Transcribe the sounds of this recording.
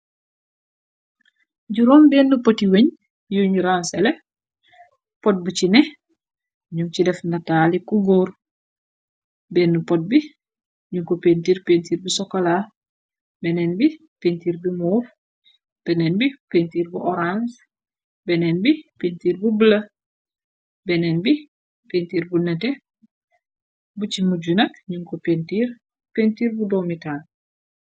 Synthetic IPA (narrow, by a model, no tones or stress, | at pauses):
ɟuɾɔːmbɛːnːupotiweɲ | juɲuɾansɛlɛ | pɔt̚bucinɛ | ɲumcidɛfndataːlikuɡoːɾ | beːnːupɔt̚bi | ɲuŋkopentiːɾpeːntiːɾbisɔkola | bɛnɛnbi | pentiːɾbimoːɾ | b̥ɛnɛnbipentiːɾbuʔɔɾans | bɛnɛnbipentiːɾbubəlɐ | bɛnɛnbi | pentiːɾbunɛtɛ | bucimuɟunɐkɲuŋkɔpentiɾ | pentiːɾbudɔmitaːl